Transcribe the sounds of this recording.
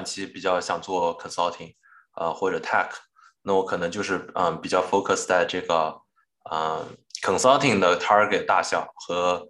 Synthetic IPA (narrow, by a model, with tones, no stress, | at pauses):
nt͡ɕʰi˧˥pi˨˩t͡ɕjɑ˥˩ʊɕjɑ˨˩ŋt͡swɔ˥˩kʰə˨˩ŋsɑ˥lt̪ʰi˨˩ŋ | ə̰˧xwɔ˥˩ʈ͡ʂɤ˨˩t̪ʰa˥˩kʰ | na˥˩wɔ˧˥kʰɤ˨˩nɤ˧˥ŋt͡ɕjo˥˧ʊʂɻ̩˥˩ə˧˩pi˨˩t͡ɕjɑ˥˩ʊfo˥ʊkʰə˩st͡sa˥˧ɪʈ͡ʂɤ˥˩ɡə˩ | ə̰˧˩kʰə˨˩ŋsɑ˥lt̪ʰi˨˩ŋd̪ə˩t̪ʰa˥ke˨˩ɪt̪a̰˥˩ɕjɑ˨˩˦ʊxɤ˧˥